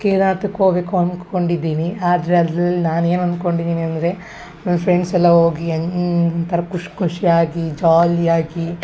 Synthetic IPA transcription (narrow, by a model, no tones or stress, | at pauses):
keːnaːt̪ɐkoːbekoɐnkko̞ɳɖid̪ːiːniaːd̪ɐɾeɐd̪ɾɐlːinaːne̞ːnɐnd̪ko̞ɳɖid̪iːniɐnd̪ɐɾe̞ | nɐmːɐpɾeɳɖsɛlːɐɦo̞ːɡiɐnt̪ɐɾɐkuʂkuʂiaːɡid͡ʒaːliaːɡi